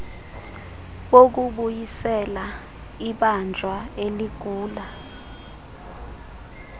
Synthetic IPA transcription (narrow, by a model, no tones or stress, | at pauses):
ɓok̬uɓujisɛla | iɓand͡ʒʱwaeliɡ̥ʱuːla